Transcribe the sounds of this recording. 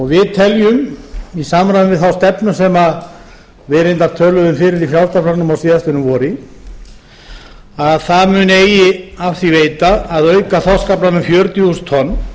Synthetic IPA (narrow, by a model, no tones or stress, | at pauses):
ɔɣvɪðt̪ʰɛljʏmisaːmɾajʏnvɪðθawst̪ɛpnʏsɛːma | vɛɾɪnt̪aɾ̥t̪ʰœːlʏðʏmfɪːɾɪɾifjawst̪apflanʏmawsiːðast̪ɪnʏmvɔːɾi | aðθaðmʏːneːjɪafθiveːjt̪aːðœɥkaθawskaplanʏmfjœːɾt̪just̪ʰɔnː